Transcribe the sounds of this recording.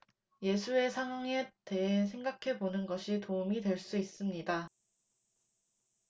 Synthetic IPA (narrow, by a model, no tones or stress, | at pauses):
je̞sʰue̞sʰaŋɦwaŋe̞te̞ɦes̬ʰe̞ŋɡakʰe̞bonɯnɡʌɕʰitoumidwe̞ɭs͈uis͈ɯmɲida